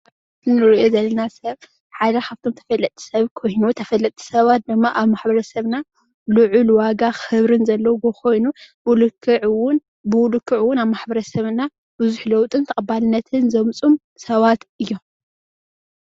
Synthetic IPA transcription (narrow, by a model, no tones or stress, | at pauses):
ɨnɨɾʔo̞zɐlːɐnasɐβ | ħad̪ɐkʰaβt̪ʰo̞mt̪ʰɐ̥fɐlːɐt̪ʰʼːi̥sɐβkʰo̞jnut̪ʰɐfɐlːɐt̪ʼʰːi̥sɐβat̪̚d̪ɨmːaʔaβmaħbɐɾɐsɐβna | luʕulwaɡaxɨβɾɨnzɐlːɐwbɨkʰo̞jnu | wʊlɨkʰːɨʕwʊn | bɨwʊlɨkʰːɨʕɨwːʊnaβmaħbɐɾɐsɐβna | b̥ɨzuħlɐwt̪ʼɨnt̪ʰɐkʼɐbalɨnːɐt̪ʰɨnzɐmt͡sʼum | sɐβat̪ɨjːo̞m